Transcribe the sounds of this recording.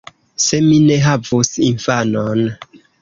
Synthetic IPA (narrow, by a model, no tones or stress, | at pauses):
se̞mine̞ɦavusinfanon